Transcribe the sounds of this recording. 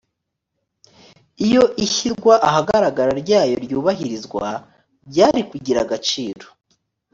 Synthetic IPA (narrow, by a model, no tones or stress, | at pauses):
ijo̞ʔiçiɾɡwaʔaɦaɡaɾaɡaɾaɾɟaːjo̞ɾjuːβaɦiɾizɡwa̰ | bɟaːɾikuɟiɾaɡat͡ʃiːɾo